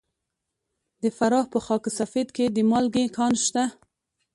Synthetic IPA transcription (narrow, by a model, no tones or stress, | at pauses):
d̪əfaɾɑhpəxɑksafed̪ked̪əmɑlɡekɑnʃt̪a